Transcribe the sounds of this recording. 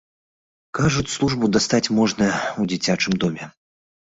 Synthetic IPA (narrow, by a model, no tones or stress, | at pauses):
kaʐut͡sʲslˠuʐbud̪ast̪at͡sʲmɔʐnɐud͡zʲit͡sʲat͡ʂɨmd̪ɔmʲɛ